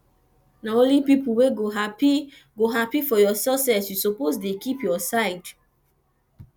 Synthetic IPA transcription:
naõlipipuweɡoɦapi | ɡoɦapifɔjɔsɛsɛsjusoposdekipjɔsaɪd

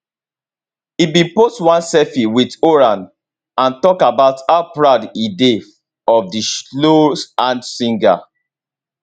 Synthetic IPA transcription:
ibĩpostwãnsɛfiwidoɹãn | ãntɔkabaʊtapɹadide | ɔfdislosãnsĩŋɡa̰

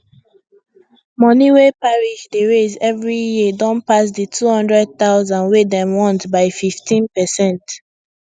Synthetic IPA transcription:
mɔniwepaɹiʃdeɹezɛvɹijidɔ̃npas̬ditʰuhɔ̃ndɹɛd̚taʊzãnwedɛ̃mwɔ̃ntbaɪfiftʰĩnpɛsɛ̃nt

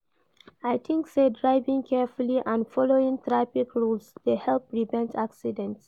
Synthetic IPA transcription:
ajtʰĩŋksedɹaɪvĩŋkʰɛfuliʔãnfɔloĩŋt̪ɹapikʰɹulsdehɛlpɹivɛ̃ntʰaksidɛ̃nts

